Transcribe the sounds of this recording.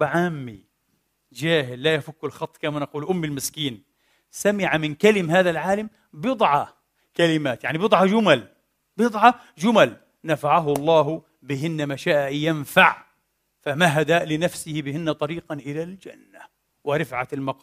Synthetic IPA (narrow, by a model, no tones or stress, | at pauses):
ʕaːmːi | d͡ʒaːɦɪlːajafakːɪlxɑt̪ˤːkamanaquːlʔʊmːɪlmɪskiːn | samɪʕamɪnkalɪmɦaːðalʕaːlam | bjɨd̪ˤʕɑ | kalɪmaːt̪jaʕnibjɨd̪ˤʕɑd͡ʒʊmal | bjɨd̪ˤʕɑ | d͡ʒʊmal | nafaʕaɦʊlˤːɑːɦʊ | bɪɦɪnːamaʃaːʔʔjanfaʕ | famaɦad̪aːʔlɪnafsɪhɪbɪɦɪnːat̪ˤɑɾiːqɑnʔɪlald͡ʒa̰nːa | wɪɾˤɪfʕalmɑq